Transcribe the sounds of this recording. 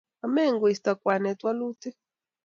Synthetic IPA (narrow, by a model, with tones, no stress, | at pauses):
a˨mɛ˦˨ŋɡu˨i˨st̪a˨kwa˨nɛ˨twa˦lu˦ti˦